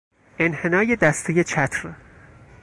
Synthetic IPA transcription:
ʔe̞nhe̞nɒːjed̪æst̪ʰejet͡ʃʰæt̪ʰɾ

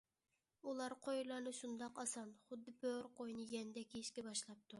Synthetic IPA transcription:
ulˠɑɾqʰojlˠɑɾnɨʃund̪ɑqɑsɑnχʊd̪ːɨbøɾqʰojnɨjɛnɪd̪ɛkʲʰiʃkʲɛbɑʃlˠɑp̚t̪ʰu

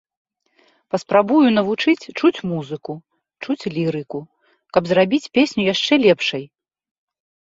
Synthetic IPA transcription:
pɐspɾabujun̪ɐvut͡ʂɨt͡sʲt͡ʂut͡sʲmuzɨku | t͡ʂut͡sʲlʲiɾɨku | kɐbzrabʲit͡sʲpʲesʲnʲujaʂt͡ʂɛlʲɛpʂɐj

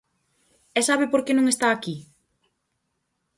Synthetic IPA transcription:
ɛsaβɪpoɾkenõŋest̪aːki

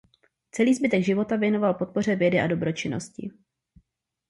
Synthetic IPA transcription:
t͡sɛliːzbɪt̪ɛɡʒɪvo̞t̪avjɛno̞valpo̞t̪̚po̞r̝ɛvjɛdɪʔado̞bɾo̞t͡ʃɪno̞̰scɪ̰

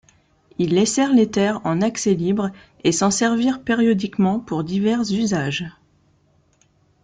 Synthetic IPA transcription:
ilːesɛʁlet̪ɛʁɑ̃nakselibʁ | esɑ̃sɛʁviʁpeʁjɔd̪ikmɑ̃puʁd̪ivɛʁzyzaʒ

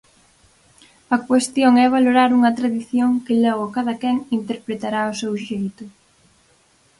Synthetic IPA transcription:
ɐkwest̪joŋɛβ̞aloɾaɾuŋɐt̪ɾaðiθjoŋkɪlɔɣʊkaðɐkɛŋint̪eɾpɾet̪aɾaʊsewʃejt̪ʊ

